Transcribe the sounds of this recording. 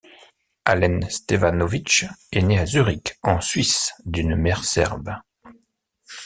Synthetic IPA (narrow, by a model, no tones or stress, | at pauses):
a̰lɛnst̪efanovit͡ʃɛneazyʁikɑ̃sɥisd̪ynmɛʁsɛ̰ʁb